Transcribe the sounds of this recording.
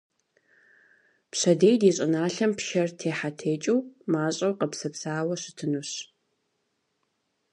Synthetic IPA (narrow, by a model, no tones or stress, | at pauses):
pɕɐdejdiːɕʼɪnaːɬɐmpʃɐrtʰeːħatʰeːt͡ʃʼiwmaːɕʼɐwqɐpsɐpsaːwɐɕɪtʰɨnuɕ